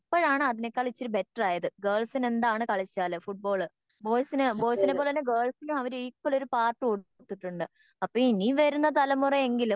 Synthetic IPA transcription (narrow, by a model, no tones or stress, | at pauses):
pːoːɻaːɳɨɐðine̞kːɐɭit͡ɕːoɾube̞ʈːɐraːjɐðɨɡɐːɭsine̞nd̪aːɳɨkɐɭit͡ɕːaːlɨfuʈ̚bo̞ːɭɨ | bo̞ːjsinɨbo̞ːjsinep̬ːolenːeɡɐːɭsinumɐʋɐɾikːolo̞ɾupaːrʈːɨoːɽ | t̪ːiʈːuɳɖɨ | ɐpːoːiniʋɐɾunːɐt̪ɐlɐmːurɐe̞ŋɡilu